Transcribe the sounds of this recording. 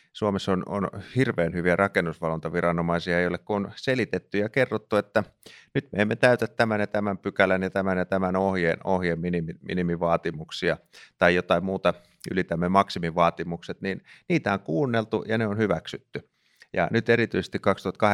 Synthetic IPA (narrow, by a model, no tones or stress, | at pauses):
suomesːono̰nhirʋeːnhyʋiærɑkenːusʋɑlont̪ɑʋirɑnomɑisiɑejolekkuonselit̪et̪ːyjɑkerːot̪ːuet̪ːænyt̪mḛːmːet̪æyt̪ætt̪æmænjɑt̪æmæmpykælænjɑt̪æmænjɑt̪æmænohjenohjemminimimḭnimiʋɑːt̪imuksiɑt̪ɑijot̪ɑimmuːt̪ɑ | y̰lit̪æmːemɑksimiʋɑːt̪imukset̪ninniːt̪æoŋkuːnːelt̪ṵjɑneonhyʋæksyt̪ːy | jɑ̰nyt̪erit̪yise̥st̪ikkɑkst̪uhɑt̪̚kɑh